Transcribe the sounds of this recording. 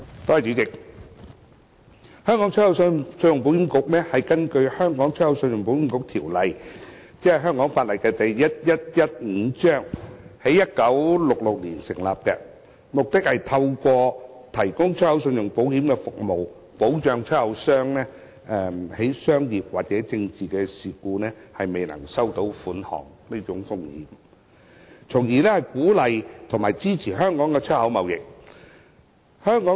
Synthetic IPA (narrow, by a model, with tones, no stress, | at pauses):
t̪ɔː˥˨t͡ʃy˨˥t͡sɪ˨k̚ | hœː˥ŋkɔ˨˥ŋt͡sʰɔ˥hɐ˨˥wsœ˥sɵ˧njʊ˨ŋp̬o˨˥whiː˨˥mkʊ˨˥k̚nɛː˥hɐ˨jkɐ˥nkɵ˧ɥhœː˥ŋkɔː˨˥ŋt͡ʃʰœ˥hɐ˨˥wsɵ˧njʊ˨˩ŋp̬o˨˥whi˨˥mkʊ˧˥k̚t̪ʰiː˨˩wlɐ˨jt͡sɛː˥ɛ˨jɦœː˥ŋkɔː˨˥ŋfaː˧t̚lɐ˨jkɛː˧t̪ɐ˨jːɐ˥t̚jɐ˥t̚jɐ˥t̚ŋ̩ː˨˧˥t͡ʃœː˥ŋhe˨˥jɐ˥t̚kɐ˨˥wlʊ˨k̚lʊ˨k̚lḭː˨˩nsɪ̰˨˩ŋla̰ː˨p̚kɛ̰˧ | mʊ˨k̚t̪ɪ˥k̚hɐ˨jt̪ʰɐ˧wkʷɔː˧t̪ʰɐ˨˩jkʊ˥ŋt͡ʃʰɵ˥t̚hɐ˨˥wsɵ˧njʊ˨˩ŋpo˨˥whiː˨˥mkɛ˧fʊ˨k̚mo˨w | po˨˥wt͡ʃœː˧ŋt͡ʃʰɵ˥t̚hɐ˨˥wsœː˥ŋnɛː˥ | ʔɛ˧he˨˥jsœː˥ŋjiː˨p̚waː˨k̚t͡sɛː˨˥t͡sɪ˧ŋt͡siː˨kɛː˧siː˨˩kuː˧nɛː˥hɐ˨jme˨jnɐ̰˨˩ŋsɐ˥wt̪o˨˥wfuː˨˥nhɔ̰ː˨˩ŋniː˥t͡ʃʊ˨˥ŋfʊ˥ŋhḭː˨˥m | t͡sʰʊ˨˩ŋjiː˨˩nɛː˥hɐ˨jkuː˨˥lɐ˨jt̪ʰʊ˨˩ŋmaː˨˩jt͡siː˥t͡sʰiː˨˩hœː˥ŋkɔː˨˥ŋkɛ˧t͡ʃʰɵ˥hɐ˨˥wmɐ˨wjɪ˨k̚ | hœː˥ŋkɔː˨˥